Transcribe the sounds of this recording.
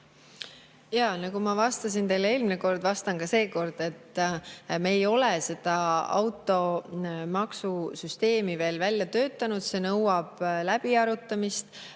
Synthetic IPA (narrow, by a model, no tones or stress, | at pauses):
jɑnɑkumɑvɑst̪ɑsint̪e̞jlee̞ːlmineko̞rd̪̥vɑst̪ɑnkɑse̞ːko̞rd̪̥e̞t̪ː | meːjo̞lese̞d̪̥ɑɑ̰wt̪ːˑo̞mɑksusyst̪e̞ːmive̞ːlvælʲjɑt̪ø̞ːt̪ˑːɑnud̪̥se̞ːnɤwɑb̥læb̥iɑɾut̪ːˑɑmist̪